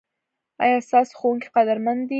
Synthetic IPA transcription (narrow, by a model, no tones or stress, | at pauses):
ɑ̰jɑst̪ɑso̥xowuŋki̥qad̪aɾmand̪i